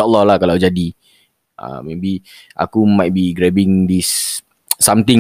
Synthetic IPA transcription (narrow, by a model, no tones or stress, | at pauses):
aʔəlːɔhlakalawd͡ʒadi | ʔə̰mebi | ʔa̰kumajt̪̚biɡɾɛbɪ̃ŋd̪isː | amt̪ɪ̃ŋ